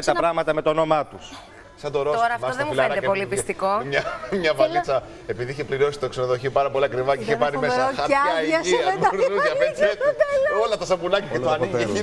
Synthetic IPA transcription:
t̪ɐpɾɐɣmɐt̪ɐme̞t̪ono̞mɐt̪us | sɐd̪oɾot̪oɾɐfɐoðemuilnɐd̪epo̞lipisst̪ikomɲɐmɲɐvɐlit͡sɐ | e̞piðiiçepliɾio̞si̥t̪oksenoðo̞çiopɐɾɐpoliɐkɾivɐceiçepɐɾimesɾoɐɐɐieɾuɐeet̪t̪elolɐt̪ɐsɐbunɐcɐcet̪oɐniei

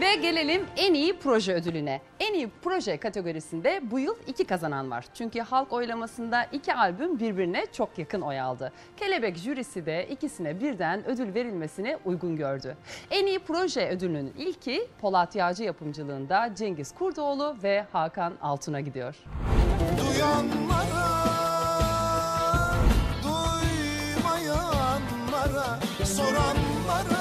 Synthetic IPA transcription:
vɛɟe̞lʲe̞lʲimænijipʰɾo̞ʒɛød̪ylʲynɛ | ɛnijipʰɾo̞ʒɛkʰat̪ʰeɡo̞ɾisind̪ɛbujɯlˠicʰikazananva̰ɾ̥t͡ʃʰyɲcyhalˠko̞jlˠamasɯnd̪aʔicʰialʲbymbiɾbiɾinɛt͡ʃʰo̞kjakʰɯno̞ja̰lˠd̪ɯ | cʰe̞lʲe̞bɛcʒyɾisid̪ɛʔicisinɛbiɾd̪ænø̞d̪ylʲve̞ɾilʲme̞sinɛʔujɡunɟøɾd̪yeniːipɾo̞ʒɛød̪ylʲnynilʲcʰipʰo̞lˠat̪ʰjaːd͡ʒɯjapʰɯmd͡ʒɯlˠɯːnd̪ad͡ʒɛɲɟiz̥kʰuɾd̪oːlˠʊvɛhaːkʰana̰lˠt̪ʰɯnaɟid̪ijo̞ɾ̥ | d̪ujanlˠaɾa | d̪uj | majanlˠaɾa | soɾanlˠaɾa

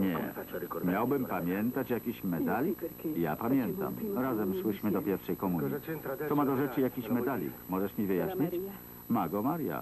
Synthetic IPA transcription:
ɲɛ̰mʲjawbɘmpamʲjɛnt̪at͡ɕjakʲiɕmɛt̪alʲikja̰pamʲjɛnt̪a̰mɾazɛmswɘʂmɘd̪ɔpʲjɛɾfʂɛjkɔmuɲisɔmad̪ɔʐɛt͡ʂɘjakʲiɕmɛt̪alʲḭkmɔʐɛʂmʲivɘjaɕɲit͡ɕ | maɡɔmaɾja̰

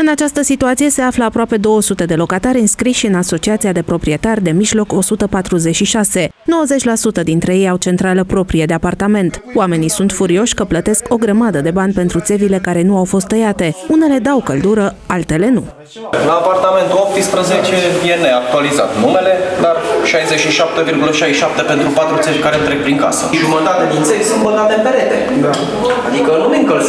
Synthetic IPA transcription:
ɨnat͡ʃast̪əsit̪uat̪sije̞se̞afləapɾoape̞d̪o̞wəsut̪e̞d̪e̞lo̞kat̪aɾʲɨnskɾiʃiɨnaso̞t͡ʃiat̪siad̪e̞pɾo̞pɾie̞t̪arʲd̪e̞miʒlo̞ko̞sut̪əpat̪ɾuze̞t͡ʃʃiʃase̞no̞wəze̞t͡ʃʲlasut̪əd̪int̪ɾe̞je̞jawt͡ʃe̞nt̪ɾaləpɾo̞pɾied̪e̞apart̪ame̞nt̪owame̞nisunt̪fuɾio̞ʃʲkəplət̪e̞sko̞ɡɾəmad̪əd̪e̞banʲpe̞nt̪ɾut̪se̞vile̞kaɾe̞nuawfo̞s̬t̪ːəjat̪e̞une̞le̞d̪awkəld̪uɾəalt̪e̞le̞nu | laːpart̪ame̞nt̪uop̚t̪spɾəzet͡ʃevieneak̚t̪ualiza̰t̪nume̞le̞d̪arʃajzeʃiʃap̚t̪e̞virɡuləʃajʃap̚t̪e̞pe̞nt̪ɾupat̪ɾut̪se̞vʲkaɾent̪ɾeɡk̚pɾiŋka̰sə̰ʒumət̪at̪ead̪int̪se̞vʲsunt̪̚bənd̪at̪epeɾet̪e | ad̪ikənumeŋkəlz

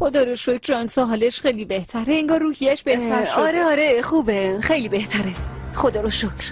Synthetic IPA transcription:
xod̪ɒɾoʃocʰɾɒnsɔɦɒːleʃxejlibe̞ht̪ʰæɾeiŋɡɒːɾrːuːhijæʃb̥e̞ht̪ʰæɾʃɒɾeɒɾexuːbexejliːbeht̪ʰæɾexod̪ɒːɾoʃokʰɾ

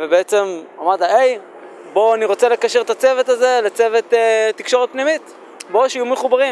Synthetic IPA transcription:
vebeet͡se̞mamad̪aej | bo̞aniʁo̞t͡sele̞kaʃeʁt̪at͡se̞vet̪aze̞let͡se̞ve̞t̪ːetːikʃo̞ʁet̪̚pnimit̪ | bo̞ʃiajumeχubaʁim

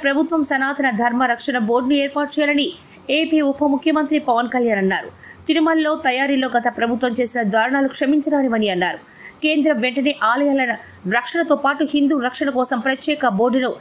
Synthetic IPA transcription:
pɾɐbʱut̪ʋɐmsɐnaːt̪ʰɐnɐd̪ʱɐɾmɐɾɐkʂɐɳɐbo̞ːɾɖnueːɾpaːʈut͡ʃɛjaːlɐni | eːpiːupʰɐmukʰjɐmɐnt̪ɾipɐʋɐnkɐljaːnɐnːaːɾu | sinimɐlːo̞ːt̪ɐjaːɾilo̞ːɡɐt̪ɐpɾɐbʱut̪ʋɐmt͡ʃe̞ːsinɐd̪aːɾɐɳaːlukʂɐmiɲt͡ʃɐɾaːniʋɐniɐnːaːɾu | keːnd̪ɾɐmʋeɳʈɐne̞ːʔaːlɐjaːlɐnɐ | ɾɐkʂɐɳɐt̪oːpaːʈuhind̪uːɾɐkʂɐɳɐkɔːsɐmpɾɐt̪jɛːkɐbo̞ːɾɖnu

